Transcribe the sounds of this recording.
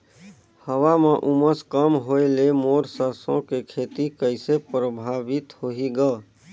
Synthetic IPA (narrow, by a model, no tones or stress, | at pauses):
həwameʔuməskəmɦoelemoːɾsəɾsõkekʰeːt̪ikəɪsepɾəbʱaːʋɪt̪hoɦiɡəː